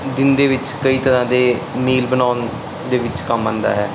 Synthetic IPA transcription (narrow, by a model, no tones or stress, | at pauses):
d̪ɪnd̪eːʋɪt͡ʃkəiːt̪əɾãːd̪eː | miːlbənaːʊn | d̪eːʋɪt͡ʃkəmãːnd̪a̰ːɦɛː